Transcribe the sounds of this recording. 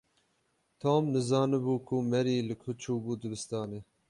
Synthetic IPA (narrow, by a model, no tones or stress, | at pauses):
t̪ʰoːmnɨzɑːnɨbuːkʰumɛɾiːlɨkʰʊt͡ʃʰuːbuːd̪ɨbɨst̪ɑːneː